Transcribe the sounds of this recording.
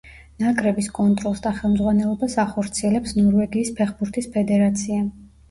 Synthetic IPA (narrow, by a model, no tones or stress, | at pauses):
nakʼɾɛbiskʼɔnt̪ʼɾɔlˠsd̪aχɛlˠmd̪zʁwanɛlˠɔbasaχɔɾt̪sʰiɛlɛpsnɔɾvɛɡiːspʰɛχbuɾt̪ʰispʰɛd̪ɛɾat̪sʰia